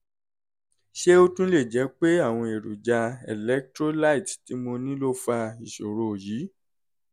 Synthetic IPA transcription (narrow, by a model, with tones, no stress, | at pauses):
ʃe˦o˦tũ˦le˦˨d͡ʒɛ˨˦k͡pe˦a˦˨w̃ɔ̃˧e˨ɾṵ˨d͡ʒa˧ɛ̰˨lɛ˦k̚tɾo˦la˦i˨tti˨˦mo˧nĩ˦lo˦fa˧i˨ʃo˨ɾo˨ji˨˦